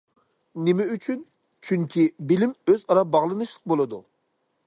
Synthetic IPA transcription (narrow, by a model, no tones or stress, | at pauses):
nɪmɛyt͡ʃʰyn | t͡ʃʰyŋkʲʰibɪlɪmøzɑɾɑbɑʁlˠɨnɨʃlˠəq̚bolˠɨd̪u